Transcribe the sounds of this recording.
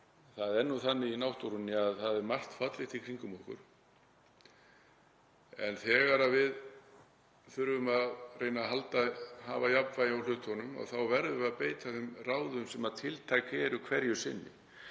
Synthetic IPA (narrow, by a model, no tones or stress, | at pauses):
θaðɛɾnːuθanːɪinawht̪uɾunːɪaðθaðɛɾmar̥t̪fat̪lɪht̪ikʰɾiŋkʏmɔhkʏ̰ɾ̥ | ɛ̰nθɛːɣaɾavɪð | θʏɾvʏmaðreːjnaɦalt̪ahavajapvajawl̥ʏt̪hɔnʏma̰ɣθawvɛɾðʏaðpeːjt̪ʰaθɛmraːwðʏmsɛmaðt̪ʰɪlt̪ʰajkɛːɾʏkʰvɛɾjʏsɪnːɪ̰